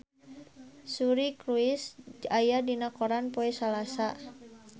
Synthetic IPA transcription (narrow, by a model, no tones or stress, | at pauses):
suɾikɾuisajadinakoɾanpoɛsalasa